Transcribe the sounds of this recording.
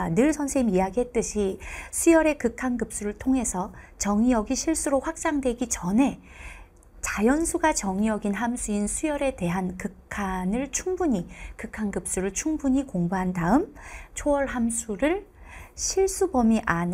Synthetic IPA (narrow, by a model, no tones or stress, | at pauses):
nɯɭsʰʌnsʰeimijaɡiɦe̞t̚t͈ɯɕʰisʰujʌɾe̞kɯkʰanɡɯp̚s͈uɾɯɭtʰoŋɦe̞sʰʌt͡ɕʌŋijʌɡiɕʰiɭs͈uɾoɸwak̚s͈aŋdwe̞ɡit͡ɕʌne̞ | t͡ɕajʌnsʰuɡat͡ɕʌŋijʌɡinɦamsʰuinsʰujʌɾe̞te̞ɦankɯkkʰanɯɭt͡ɕʰuŋbuɲikɯkʰanɡɯp̚s͈uɾɯɭt͡ɕʰuŋbuɲikoŋbuɦandaɯmt͡ɕʰoʌɭɦamsʰuɾɯɭɕʰiɭs͈ubʌmiʔan